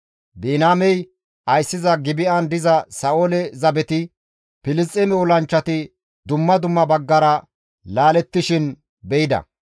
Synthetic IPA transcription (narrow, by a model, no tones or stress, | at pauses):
biːnaːmɛj | ʔɐjsːɪzɐɡɪbɪʔɐnd̪ɪzɐsɐːʔoːlɛzɐbɛt̪ɪ | pɪlɪst͡stʼːɛmɛɔlɐnt͡ʃːɐt̪ɪ | d̪ʊmːɐd̪ʊmːɐbɐɡːɐɾɐ | laːlɛt̪ːɪʃɪn | bɛjɪd̪ɐ̰